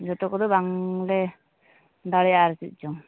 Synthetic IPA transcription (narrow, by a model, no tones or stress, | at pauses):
d͡ʒɔʈɔkɔd̪ɔbaŋlɛ | d̪aɽɛjaɾɛsit̪̚ˀt͡ʃɔŋ